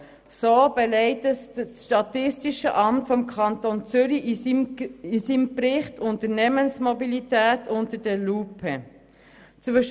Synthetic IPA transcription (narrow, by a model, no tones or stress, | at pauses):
soːb̥ɛlɛɪtəsdəsʃtɑtɪstiʃəʔɑmtfɔmkʰɑntont͡sʏɾiʔ | isimpɾɪχtʰʊntəɾnɛmənsmɔbilitæːtʰʊntəd̥əlupʰə | t͡sʋʏʃ